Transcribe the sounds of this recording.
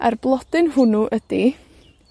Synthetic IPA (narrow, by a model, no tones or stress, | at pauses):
a̰rblˠɔd̥ɪnhʊnuʔəd̥i